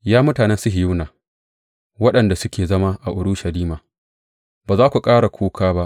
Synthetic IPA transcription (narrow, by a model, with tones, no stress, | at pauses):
jaː˦mʊ˦taː˨nɛ˦nsʊ˦ɦɪ˨ju˦naː˨ | wɐ˦ɗɐ˨nda˨sʊ˦kʲeː˨zɐ˦ma˦ʔa˨ʔʊ˨ɽu˦ʃɐ˨liː˦maː˨ | baː˨zaː˦kʷu˨kʼaː˦ɽa˨kʰʷoː˦kʰaː˦ba˦ʔ